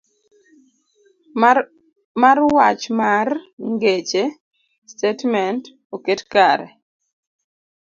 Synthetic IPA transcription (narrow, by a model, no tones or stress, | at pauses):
marwat͡ʃmarŋɡet͡ʃe | stetmɛnt | oketkaɾɛ̰